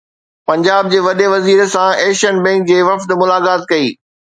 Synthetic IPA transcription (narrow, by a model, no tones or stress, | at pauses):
pɐ̃ɲd͡ʑaːb̚d͡ʑeːʋɐɗeʋɐziːɾsãeːʃənbɛ̃ːŋk̚d͡ʑeːʋɐft̪mʊlaːkaːt̪̚kɐiː